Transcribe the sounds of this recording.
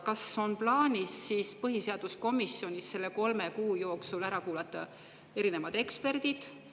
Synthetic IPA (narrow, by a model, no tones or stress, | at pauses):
kɑso̞nplɑːnʲisːiːspɤɦise̞ɑd̪̥usko̞misjo̞nʲisːe̞lːe̞ko̞lme̞kuːjo̞ːksulæɾɑkuːlɑt̪ːˑɑ | e̞ɾine̞mɑd̪̥e̞kspe̞rd̪̥id̪̥